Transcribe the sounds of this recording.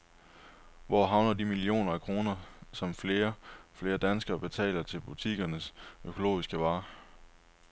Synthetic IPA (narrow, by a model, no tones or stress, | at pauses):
ʋɒ̰ɦɑ̈ʊnɐd̥imilio̝̰ːnɐækʰʁo̝ːnɐsɒ̽mfle̝ːɐfle̝ːɐd̥ænsɡ̥ɐːb̥e̝t͡sʰɛ̰ːlɐt͡sʰe̝lb̥ut͡sʰiɡ̥ɐnəsøkʰo̝lo̝̰ːisɡ̥əʋɑ̈ː